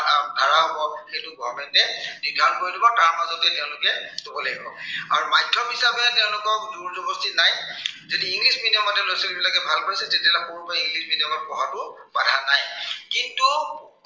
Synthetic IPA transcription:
adʱaɹaɦɔbɔxejtʊbʱɔmɛntɛnidʱaɹɔnkoɹjdibɔtaɹmazɔtɛtɛʊ̃lʊkɛdubɔleɡibɔ̰a̰ɹumajtʰːɔpɦisabɛtɛʊ̃lʊkɔk̚duɹzɔbɔstinajzodiːŋɡlisminijɔmɔtɛlojsɔlibilakɛbʱalpoisɛtetialapuɹbaiŋɡlisminiɔmɔt̚pɔɦatʊ | badʱanajkintu

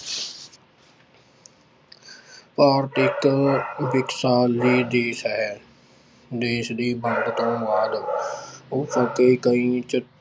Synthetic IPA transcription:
paːɾt̪ɪkʋɪksaːld͡ʒiːd̪eːsɦɛː | d̪eːsd̪iːbʱəŋɡt̪õːʋaːd̪ | ʊpəkeːkəĩːt͡ʃə

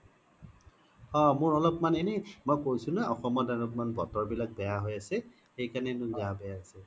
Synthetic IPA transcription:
hɔmʊɹɔlɔpmanɛnɛmojkojsʊ̃naɔxɔmɔdanɔpmanbɔtɔɹbilak̚bɛjaɦojasɛ | xejkanɛnʊ̃zabɛjaasɛ

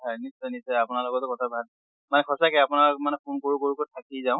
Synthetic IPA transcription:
anisɔnisɔapʊnalɔkɔtɔkɔtʰabʱad | manɛkʰɔsakɛapʊnamanɛpʰunkoɹukoɹukotʰakizaʊ̃

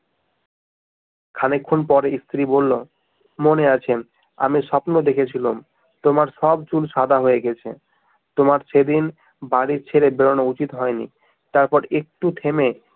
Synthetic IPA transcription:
kʰanekʰːunpɔɾeist̪ɾibolːo | moneat͡ɕʰe | a̰miʃɔpnod̪ekʰet͡ɕʰilum | t̪omaɾʃɔbt͡ɕulʃad̪ʱaɦoeɡɛt͡ɕʰḛ | t̪omaɾʃʰed̪in | baɽiɾt͡ɕʰeɾebeɾoneut͡ɕit̪ɦɔenḭ | t̪aɾpɔɾek̚ʈut̪ʰeme

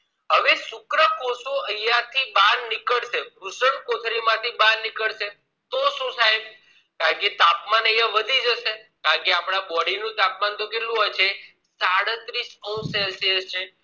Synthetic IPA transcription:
ɦəʋesʊkɾəkõsoəjat̪ʰibannɪkəɭʃeɾusəɳkot̪ʰɾimãt̪ʰibãnːikəɭʃe | t̪oʃũsajb | kaə̃ɳket̪apmanəjãʋəd̪ʱid͡ʒəʃekaə̃keapɽabɔɽinũt̪ap̚mant̪okeʈlũɦat͡ʃʰe | saɽət̪ɾisəũselsiəst͡ʃʰe

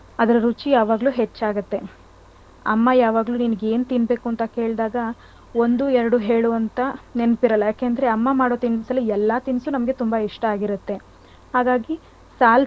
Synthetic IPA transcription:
ɐd̪ɐɾɐɾut͡ʃijaːʋaːɡluːɦet͡ʃːaːɡɐt̪ːe | ɐ̰mːɐjaːʋaːɡluːninɡe̞ːnt̪inbe̞ːkuɐnt̪ɐke̞ːɭd̪aːɡɐ | o̞nd̪uɛɾɐɽuɦe̞ːɭuɐnt̪ɐnenpiɾɐlːɐjaːkeːɐnd̪ɐɾeɐmːɐmaːɽoːt̪insɐlːiɛlːɐt̪insunɐmɐɡe̞t̪umbɐiʂʈɐaːɡiɾɐt̪ːe̞ | haːɡaːɡi | saːl

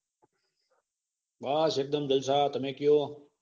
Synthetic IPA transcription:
ɓaːsek̚d̪əmd͡ʒəlsaːt̪ɐmẽːkɪjoː

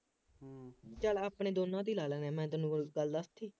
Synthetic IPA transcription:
t͡ʃəlaːpɳeːd̪oːnãːd̪iːlaːlənɛ̃ːmɛ̃ːt̪ʊnũːɡəld̪əst̪ʰiː

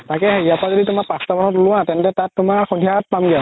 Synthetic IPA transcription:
takɛheijapɔazoditʊmakpastabɔnɔtlʊ̃ãtɛntɛtatːʊmaxudʱijat̚pamɡɛ

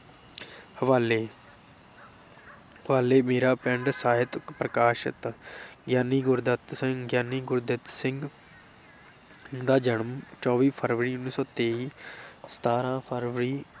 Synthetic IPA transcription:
həʋaːleː | ɦʋaːleːmeːɾaːpɛ̃ɳɖsaːɦɪt̪pɾəkaːʃɪ̰t̪ɡjaːniːɡʊɾd̪ət̪sɪŋɡjaːniːɡʊɾd̪ɪt̪sɪŋɡ | d̪aːd͡ʒəɳəmt͡ʃɔːʋiːpʰəɾʋɾiːʊnːiːsɔːt̪eːiːsə̥t̪aːɾãːpʰəɾʋəɾiː

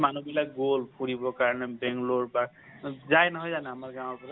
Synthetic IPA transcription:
manubilaɡolpʰuɾibɔkaɾnebeŋloɹpak̚ | zajnʌɦojzanaɦamaɾɡaw̃ɾpɔsʰa

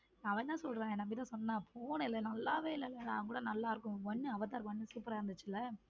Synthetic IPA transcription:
nãːɐʋɐɲt̪ãːsɔlɾẽːɛ̃nɐmbɐɪt̪ːãːsɔnːaːpʰoːnɪlːɐnɐlːaːʋeːɪlːɐɪlːɐnaːʋŋkuːɽɐnɐlːaːɪɾɯk̬ːʊ̃ʋɔnːɯɐʋɐt̪̬ːaːɾɯkʋɔnːɯsuːpɾaːɾɯnd̪ɯt͡ʃːɪlːɐ

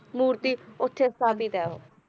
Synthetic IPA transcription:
muːɾt̪iːʊt̪ʰːeːsaːbiːt̪ɛːɦo̰ː

